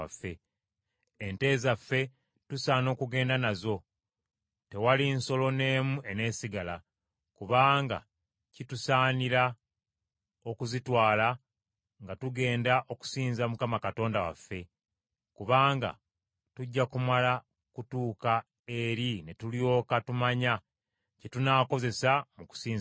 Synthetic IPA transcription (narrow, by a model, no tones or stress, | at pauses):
afːe̞ː | nte̞ːzafːe̞ | tusaːno̞ːkuɡe̞ːndanazo̞ | te̞walinso̞lo̞ne̞ːmue̞ne̞ːsiɡala | kuβaːŋɡa̰ | citusaːniɾa | o̞kuzitwaːla | ŋɡatuɡe̞ːndaʔo̞ku̥siːnzamukamakato̞ːndawa̰fːe̞ | kuβaːŋɡa̰ | tuɟːakumala | kutuːka | e̞ɾine̞tuljo̞ːkatumaɲa | citunaːko̞ze̞samuku̥siːnz